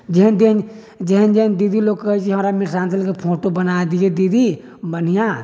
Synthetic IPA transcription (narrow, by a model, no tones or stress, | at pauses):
d͡ʒəɦənd̪en | d͡ʒəɦənd͡ʒəɦənd̪id̪ʱiloːɡkəɦɛt͡ʃʰiɦəmɾamiɾsaːnsʰəlkepʰoːʈobənad̪ied̪id̪ʱi | bən̤ijã